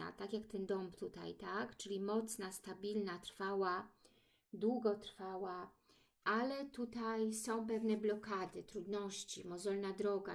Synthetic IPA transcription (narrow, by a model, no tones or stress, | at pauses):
a̰t̪akʲjakt̪ɛnd̪ɔmpt̪ut̪a̰jt̪akt͡ʂɘlʲimɔt̪snast̪abʲilnat̪ɾfawa | d̪wuɡɔt̪ɾfawa | ʔalɛt̪ut̪ajsɔ̃w̃p̬ɛvnɛblɔkad̪ɘt̪ɾud̪nɔɕt͡ɕimɔzɔlnad̪ɾɔɡa̰